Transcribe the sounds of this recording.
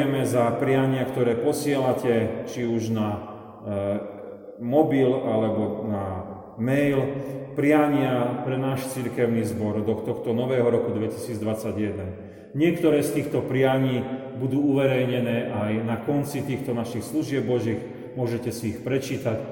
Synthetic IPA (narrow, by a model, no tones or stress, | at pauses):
ɛmɛzapɾɪaɲɪakt̪ɔɾɛːpɔsɪɛlacɛt͡ʃiuʒna | mɔbilalɛbɔna | mɛjlpɾɪaɲɪapɾɛnaːʃt͡siɾkɛʊnizbɔɾd̪ɔxt̪ɔxt̪ɔnɔʋɛːɦɔɾɔkud̪ʋɛci̥siːd͡zd̪ʋat͡saɟjɛd̪ɛn | ɲɪɛkt̪ɔɾɛːst̪iːxt̪ɔpɾɪaɲiː | bud̪uːuʋɛɾɛjɲɛnɛːʔajnakɔnt͡sit̪iːxt̪ɔnaʃixsluʒɪɛb̚ːɔʒiːx | mʊɔʒɛcɛsiːxpɾɛt͡ʃiːt̪ac